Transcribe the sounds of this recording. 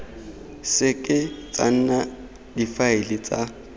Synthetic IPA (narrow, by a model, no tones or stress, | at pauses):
sɪkʼɪt͡sʼa̰n̩na | difaɪlɪt͡sʼa